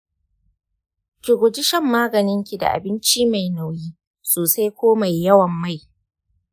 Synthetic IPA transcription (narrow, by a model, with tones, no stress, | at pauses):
kʲɪ˨ɡʷʊ˨d͡ʒɪ˦ʃɐ˦˨mːaː˦ɡɐ˨nɪ˦ŋkʲi˨da̰˨ʔa̰˨bɪ˦nt͡ʃiː˦ma˨jna˨wjiː˦ | soː˨sa˦jkʷoː˦ma˨jːɐ˦wɐ˨mːa˦˨j